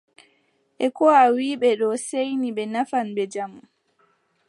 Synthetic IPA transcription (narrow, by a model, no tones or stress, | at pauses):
ʔɛkɔawiːɓɛɗɔsejniɓɛnafanɓɛd͡ʒamu